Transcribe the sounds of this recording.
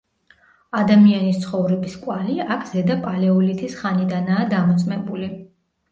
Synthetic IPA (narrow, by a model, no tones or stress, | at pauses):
ad̪amianist̪sʰχɔvɾɛbiskʼwaliakʰz̥ɛd̪apʼalɛɔlit̪ʰisχanid̪anaːd̪amɔt̪sʼmɛbuli